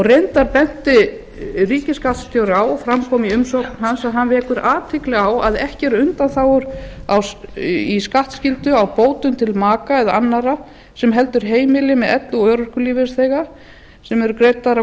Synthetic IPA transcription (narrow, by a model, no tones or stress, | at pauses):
ɔrent̪aɾpɛn̥t̪ɪ | riːcɪskaht̪st̪jowɾawɔfɾamkʰɔːmiʏmsɔknɦansaðɦanvɛːkʏɾʔaːt̪ʰɪklɪɣawa̰ðɛhcɪɛɾʏnt̪anθawʏɾawiskaht̪scɪlt̪ʏawpoːwt̪ʏmt̪ʰɪlmaːkaɛðaanːaɾa | sɛmɦɛl̪t̪ʏɾ̥ɦeːjmɪlɪmɛðɛ̰t̪luœːɾʏr̥kʏliːvɪsθɛːɣa | sɛmɛɾʏkɾejt̪aɾa